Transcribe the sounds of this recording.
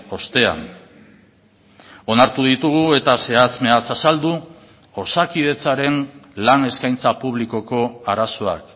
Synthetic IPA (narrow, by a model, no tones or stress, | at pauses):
o̞st̪e̞a̰n | o̞naɾt̪uðit̪uɣue̞t̪ase̞at͡sme̞at͡sasald̪u | o̞sakið̞e̞t͡saɾe̞nlane̞skajnt͡sapuβliko̞ko̞aɾaso̞a̰k